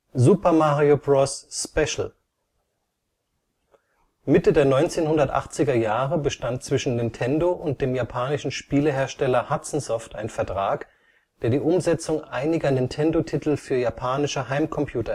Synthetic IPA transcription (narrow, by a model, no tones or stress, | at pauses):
zuːpɐmaʁiobʁɔsːpɛʃl̩ | mɪtədeːɐnɔʏnt͡seːnhʊndɐtʔa̰χt͡sɪɡɐjaːʁəbəʃtant̚t͡sv̥ɪʃn̩nɪntʰɛndoʔʊnt̚d̥eːmjapʰaːnɪʃn̩ʃpiːləɦeːɐʃtɛlɐhat͡sn̩zɔfta̰ɪnfɛɐtʁ̥aːk | d̥eːɐdiːʔʊmzɛt͡sʊŋʔaɪnɪɡɐnɪntʰɛndotʰɪtl̩fyːɐjapʰaːnɪʃəɦaɪmkʰɔmpʰj̥uːtɐ